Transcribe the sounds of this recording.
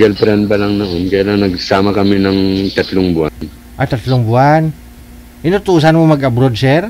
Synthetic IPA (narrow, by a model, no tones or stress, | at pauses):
ɡalpɾanbɐlaŋnoʔonkɐjalaŋnɐɡsaːmɐkɐmɪnɐŋt̪ɐt̪loŋbʊʔan | ʔat̪ɐt̪loŋbʊan | ʔɪnʊt̪uːs̬anmomɐɡʔabɾod̪̚sɛɾ